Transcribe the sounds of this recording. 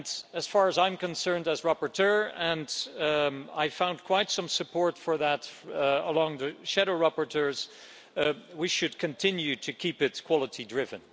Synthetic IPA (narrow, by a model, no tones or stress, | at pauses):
nɨz̥fɑɹəzãɪ̃mkɨ̃nsɜ̃˞ndɨzɹæpəɹtʰɜ˞ɨ̃nd | a̰ɪfãʊ̃nkʰw̥aɪtsʌ̃msɨpʰɔɹtfə˞ðətəlɔ̃ŋðɨʃæɾoʊɹæpəɹtʰɜɹz̥ | wiʃɨd̚kʰɨ̃ntʰɪ̃njʉɾʰɨkʰipɨtkʰw̥ɑlˠəɾidɹɪvɨ̃n